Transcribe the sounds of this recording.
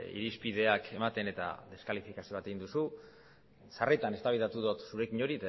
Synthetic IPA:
ḭɾispiðe̞akʰe̞mat̪e̞ne̞t̪a̰ðe̞skalifikasio̞β̞at̪e̞ind̪usu | saret̪ane̞st̪aβiðat̪uðot̪suɾe̞kiɲo̞ɾit̪

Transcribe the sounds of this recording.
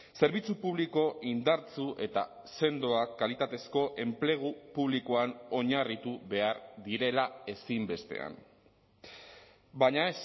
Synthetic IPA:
se̞ɾβ̞it͡supuβliko̞ʔind̪aɾt͡suʔe̞t̪a̰ | se̞nd̪o̞akːalit̪at̪e̞sko̞ʔe̞mple̞ɣ̞upuβlikoano̞ɲarit̪uβe̞aɾðiɾe̞lae̞simbe̞st̪e̞̰a̰n | baɲaes

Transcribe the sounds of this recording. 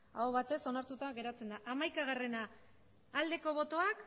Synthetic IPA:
aoβat̪e̞so̞naɾt̪ut̪aɣe̞ɾat͡se̞nd̪aʔamajkaɣ̞are̞naː | ld̪e̞ko̞β̞o̞t̪o̞ak

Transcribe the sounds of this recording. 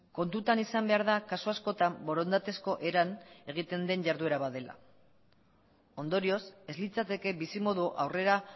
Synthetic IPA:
ko̞nt̪ut̪anisambe̞aɾð̞akasuasko̞t̪ambo̞ɾo̞nd̪at̪e̞sko̞ʔe̞ɾane̞ɣ̞it̪e̞nd̪e̞ɲɟaɾðue̞ɾaβað̞e̞la̰ | o̞nd̪o̞ɾio̞se̞zlit͡sat̪e̞ke̞bisimo̞ðuʔa̰wre̞ɾa

